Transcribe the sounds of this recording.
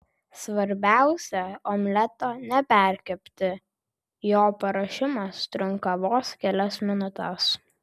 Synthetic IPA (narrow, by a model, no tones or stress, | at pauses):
sʋɐɾʲbʲæˑʊsʲɛomʲlʲɛt̪onʲɛpʲæˑɾʲkʲɛpʲt̪ʲɪ | joːpɐɾɐʃʲɪmɐst̪ʲɾʲʊŋkɐʋoːskʲɛlʲɛsmʲɪnʊt̪ʲɛs